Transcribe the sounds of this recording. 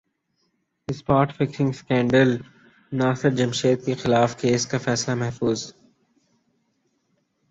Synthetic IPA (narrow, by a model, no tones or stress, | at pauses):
ɪspaːʈfɪksɪ̃ŋskɛ̃ːɳɖəl | naːsɪɾd͡ʒɐmʃeːd̪̚kexɪlaːfkeːskafɛːslamɛɦfuːz